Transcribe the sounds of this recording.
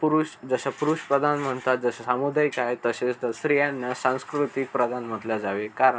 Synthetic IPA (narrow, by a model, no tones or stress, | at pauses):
puɾuɕd͡zəɕapuɾuɕpɾəd̪ʱanm̤əɳt̪at̪̚d͡zəsasamud̪ajkajt̪əset͡sd̪əsɾijãnːasãw̃skɾut̪ik̚pɾəd̪ʱanm̤əʈ̪lad͡zaʋekaɾəɳ